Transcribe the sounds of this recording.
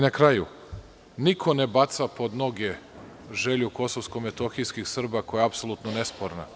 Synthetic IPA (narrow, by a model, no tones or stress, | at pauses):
nakɾaju | nikʰonebat̪sapo̞d̪no̞ɡe | ʒeʎuko̞soʋskomet̪oxijskixsr̩bakojeapsolˠut̪nonespoɾna̰